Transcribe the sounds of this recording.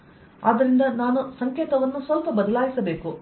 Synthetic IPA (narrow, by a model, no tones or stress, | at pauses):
ɐd̪ɐɾind̪ɐnaːnusɐŋkeːt̪ɐʋɐnːusʋɐlpɐbɐd̪ɐlaːjisɐbe̞ːku